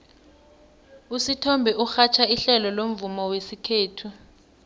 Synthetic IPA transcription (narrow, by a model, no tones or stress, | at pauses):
usitʰɔmbʱɛʔuxat͡ʃʰaiɬɛlɔlom̩vumɔwesikʰeːtʰu